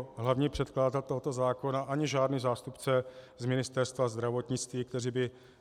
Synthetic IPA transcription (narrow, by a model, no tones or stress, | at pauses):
ɦlavɲiːpr̝̥ɛt̪klaːzalt̪o̞ɦot̪o̞zaːko̞naʔaɲɪʒaːdniːzaːst̪upt͡sɛzmɪnɪst̪ɛrst̪vazd̪ɾavo̞t̪ɲɪt͡st̪viːk̚t̪ɛriːbɪ